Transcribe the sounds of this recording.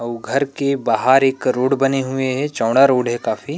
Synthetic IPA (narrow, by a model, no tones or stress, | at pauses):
ɐuɡʱɐɾkebaːɦaːɾeːkɾoːɽbɐneɦʊeɦɛt͡ʃɔ̃ːɽaɾoːɽɦɛkaːfiː